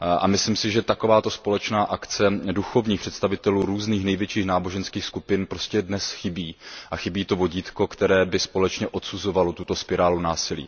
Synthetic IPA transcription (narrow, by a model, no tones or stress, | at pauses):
ʔa̰mɪslimsɪʒɛt̪ako̞vaːt̪o̞spo̞lɛt͡ʃnaːʔakt͡sɛduxo̞vɲiːxpr̥ɛt̪st̪avɪt̪ɛluːɾuːzniːxnɛjvjɛt͡ʃiːxnaːbo̞ʒɛnskiːxskupɪnpɾo̞scɛdnɛsxɪbiːʔaxɪbiːt̪o̞vo̞ɟiːt̪ko̞kt̪ɛɾɛːbɪspo̞lɛt͡ʃɲɛʔo̞t̪suzo̞valot̪ut̪o̞spɪɾaːlunaːsɪlḭː